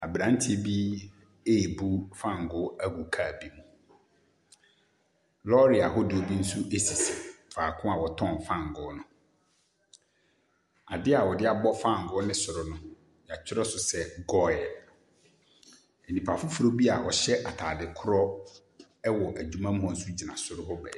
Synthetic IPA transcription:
a˨bɾã˦n˦tʰɪ˦bi˦ | e˦˨bu˦fã˦˨ŋ˨ɡʊ˦æ˦ɡu˨kʰa˨bi˦mũ˨ | lɔ˦ɾi˨a˨ɦɔ˦dɪ˨o˨bi˦n̩˦su˦ʔe˦si˨si˨faː˨kʰʊ̃˦a˨wɔ˨tʰɔ̃˦˨n˨fã˦˨ŋ˨ɡʊ˨˦nʊ̃˨ | a˨dɪ˦a˨wɔ˨dɪ˦a˨bɔ˦fã˦˨ŋ˨ɡʊ˦nɪ̃˦sʊ˨ɾʊ˨nʊ̃˦ | ja˨t͡ɕʰᶣɪ˦ɾɔ˦sʊ˨sɛ˦ɡɔ˦ɛ˨l | e˨nĩ˨pʰa˨fʊ˦fʊ˨ɾo˦bi˦a˨wɔ˨ɕɛ˦ʔa˨tʰaː˨dɪ˨kʰʊ˦ɾɔ˦ | ɛ˦wɔ˨ʔæ˨d͡ʑu˨mã˦m̩˦hɔ̃˨n̩˦su˦d͡ʑi˨nã˨sʊ˨ɾʊ˦ɦɔ˦bɛ̰˨

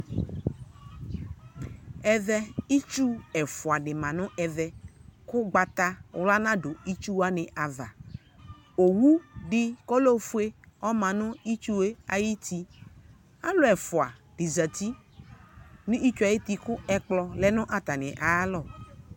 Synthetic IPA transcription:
ɛ˨vɛ˦i˦t͡ʃu˦ɛ˨fʊ˨a˨ɖɪ˨mã˨nʊ̃˦ʔɛ˨vɛ˦kʊ˦ɡ͡ba˨t̪a˦wla˦nã˦ɖʊ˨i˦t͡ʃu˦wa˦nɪ̃˨ʔa˨va˨ | o˨wu˦ɖɪ˦kɔ˦lo˦fu˦e˦ɔ˦mã˨nʊ̃˦i˦t͡ʃu˦e˦a˨ji˦t̪i˦ | a˦lʊ˨ɛ˨fʊ˨a˨ɖ̥ɪ˨zə˨t̪i˦ | nʊ̃˦i˦t͡ʃu˦a˨ji˦t̪i˦kʊ˦ɛ˨k͡plɔ˦lɛ˦nʊ̃˦ʔa˨t̪a˨nɪ̃˨ʔa˨˦lɔ˦˨

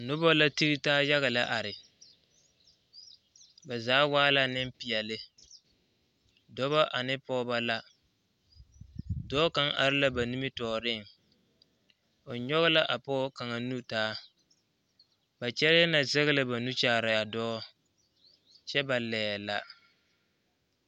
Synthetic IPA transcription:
nʊ˦bɔ˦la˦ti˦ɾi˦taː˦ja˦ɣa˨la˦ʔa˨ɾɪ˨ | ba˨zaː˨˦waː˦la˦nɪ˦mpɪ˨ɛ˨lɪ˦ | dɔ˦βa˦ʔa˨nɪ˦pɔː˦ba˦la˦ | dɔː˦ka˦ŋʔa̰˨ɾɪ˦la˦ba˨ni˦mi˦tɔː˨ɾɪ˦˨ŋ | o˨ɲɔ˦ɣɪ˦la˦ʔa˨pɔː˦ka˨ŋa˨nu˦taː˦ | ba˨t͡ʃɛ˦ɾja˦na˨zɛ˦ɣɪ˦lɪ˦ba˨nu˦t͡ʃaː˨˦˨ɾa˨a˨dɔː˦ | t͡ʃɛ˦ba˨lɛː˨la˨

